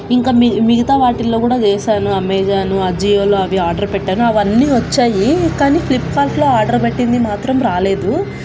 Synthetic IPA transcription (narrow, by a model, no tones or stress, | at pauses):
iŋkaːimiɡɐt̪aːʋaːʈilːo̞ːkuːɽaːt͡ʃɛːʃaːnuɐmɛːd͡ʒaːnuɐd͡ʒiːjoːloːɐʋiaːɾɖɐɾpɛʈːaːnuɐʋɐnːiːʋɐt͡ʃːaːjikaːniːpʰlipːaːlʈlo̞ːaːɾɖɐɾpeʈːind̪imaːt̪ɾɐmɾaːle̞ːd̪u